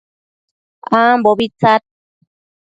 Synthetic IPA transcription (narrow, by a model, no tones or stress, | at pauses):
amboβit͡sat̪̚